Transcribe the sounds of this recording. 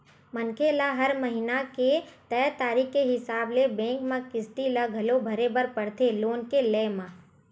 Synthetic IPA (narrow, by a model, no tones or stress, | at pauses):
mənkʰelaɦɐɾməɦɪnaket̪ɛːt̪aːɾiːkːeɦɪsaːblebẽːkmãkɪst̪ilaɡʱɐlobʱɐɾebəɾpɐɽt̪ʰeloːnkelɛːmãː